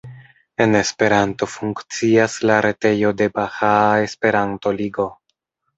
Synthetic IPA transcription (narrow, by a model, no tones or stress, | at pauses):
e̞ne̞spe̞ɾanto̞fuŋkt͡siaslaɾe̞te̞jo̞de̞baxae̞spe̞ɾanto̞liɡo̞